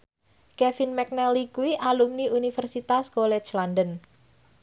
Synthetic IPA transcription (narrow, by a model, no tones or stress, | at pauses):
kɛfinmɛk̚nɛlikuwiʔalumniunifərsit̪askolɛt͡ʃlandən